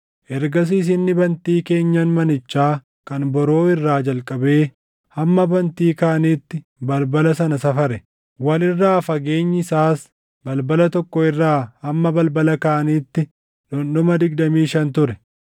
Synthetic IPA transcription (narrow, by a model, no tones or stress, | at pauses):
ʔɛɾɡɐs̬iːs̬ɪnːɪbɐnt̪iːke̞ːɲːɐnmɐnɪt͡ʃːaː | kɐnbɔɾo̞ːɪrːaːd͡ʒɐlkʼɐbe̞ː | hɐmːɐbɐnt̪iːkɐːʔɐniːt̪ːɪ | bɐlbɐlɐsɐnɐsɐfɐɾɛ | wɐlɪrːaːfɐɡe̞ːɲːɪsaːs | bɐlbɐlɐt̪ɔkːɔɪrːaːhɐmːɐbɐlbɐlɐkɐːʔɐniːt̪ːɪ | ᶑɔnːɔmɐd̪ɪɡ̚d̪ɐmiːʃɐnt̪ʊɾɛ